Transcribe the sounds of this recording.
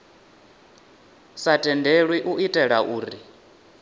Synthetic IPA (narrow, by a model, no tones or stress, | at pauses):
satʼɛndeɺwiʔuʔitʼɛɺaʔuːɾi